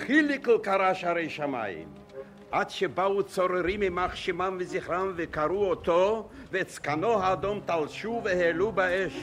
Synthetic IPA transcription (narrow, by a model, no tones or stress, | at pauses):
χiliklkaɾaʃaɾejʃama̰jḭm | ʔad̪ʃebaut͡soɾeɾimimaχʃimamveziχɾamvekaɾuot̪o | vet͡skanoɦaːd̪omt̪alʃuvehelubaeʃ